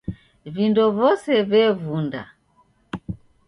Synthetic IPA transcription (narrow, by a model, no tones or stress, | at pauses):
vindɔvɔsɛvɛvunda̰